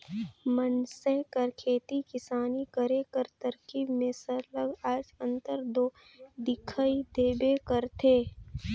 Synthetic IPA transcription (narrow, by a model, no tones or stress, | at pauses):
mənsə̃kəɾkʰeːt̪ikɪsaːnikəɾekəɾt̪əɾkiːbmẽsəɾləɡaːd͡ʒə̃nt̪əɾd̪oː | d̪ɪkʰaːid̪eːbekəɾt̪ʰeː